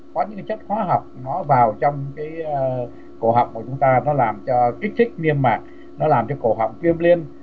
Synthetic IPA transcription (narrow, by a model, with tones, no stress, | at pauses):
kɔ˨˦ɲɨ̰˧˥ŋka˨˦t͡ɕə˦˥t̚xwaː˨˧˦ɦa˨˩wk͡p̚nɔ˨˦vaː˨˩wt͡ɕɔ˧wŋ͡mkaː˨˦j | ko˧˩ɦɔ̰ː˨˩wk͡p̚ku˧˩t͡ɕʊ˨˦ŋ͡mt̪aː˧nɔ˨˦laː˨˩mt͡ɕɔ˧ki˦˥k̚t̪ʰï˦˥k̟̚ni˧əmːaː˨˩k̚ | nɔ˨˦laː˨˩mt͡ɕɔ˧ko˧˩ɦɔ̰˨˩wk͡p̚kwi˧əmli˧ən